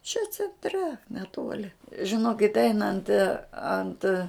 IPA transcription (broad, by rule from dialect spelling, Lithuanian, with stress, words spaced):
t͡ʃʲɛ t͡sʲɛnʲˈtʲrʲɛ nʲɛˈtuɔlʲɪ ʒʲɪˈnoːkʲɪtʲ ˈɛɪnɐnt ɐnt